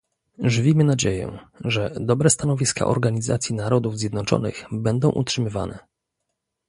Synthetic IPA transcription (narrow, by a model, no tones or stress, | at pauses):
ʐɘvʲimɘnad͡ʑejɛ̰ʐɛd̪ɔbɾɛst̪anɔvʲiska̰ʔɔ̰ɾɡaɲiza̰t̪sʲjinaɾɔd̪uvzʲjɛd̪nɔt͡ʂɔ̰nɘ̰ɣbɛnd̪ɔ̃w̃ʔṵtʂɘmɘva̰nɛ̰